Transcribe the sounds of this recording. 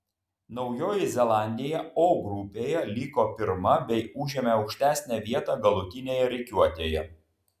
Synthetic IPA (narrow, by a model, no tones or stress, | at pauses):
nɒʊjoːjɪzʲɛlˠɑˑnʲd̪ʲɪjɛoːɡɾʊpʲeːjɛlʲiːkoːpʲɪɾmɐbʲɛɪʊʒʲeːmʲɛɒʊkʃʲt̪ʲæːˑsʲnʲæʋʲiɛt̪ɑɡɐlˠʊt̪ʲɪnʲeːjɛɾʲɛɪkʲuɔt̪ʲeːjɛ